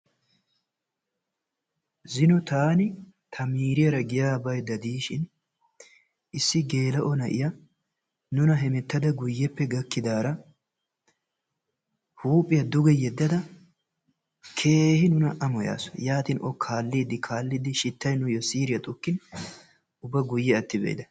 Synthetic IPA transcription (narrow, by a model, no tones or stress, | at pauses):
zɪnɔt̪aːnɪt̪ʰɐmiːɾɪjɐɾɐɡɪjaːbɐjd̪ɐd̪iːʃɪn | ʔɪsːɪɡe̞ːlɐʔɔnɐʔɪ̰jɐ | nʊnɐɦɛmɛt̪ːɐd̪ɐɡʊjːɛpːɛɡɐkːɪd̪aːɾɐ | huːpʼːɪjɐd̪ʊɡɛjɛd̪ːɐd̪ɐ | kʰe̞ːhɪnʊnɐʔɐmɔja̰ːsɔ̥jaːt̪ɪnʔɔkʰaːlːiːd̪ɪkʰaːlːɪd̪ɪʃɪt̪ːɐjnʊjɔsiːɾɪjɐt̪ʼʊkːɪn | ʊbɐɡʊjːɛɐt̪ːɪbḛːd̪ɐ